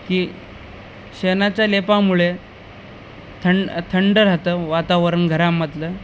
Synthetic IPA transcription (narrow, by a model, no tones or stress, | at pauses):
kiː | ɕenat͡ɕjalepamuɭe | t̪ʰəɳt̪ʰəɳɖəɾɦat̪əʋat̪aʋəɾəɳɡʱəɾamət̪lə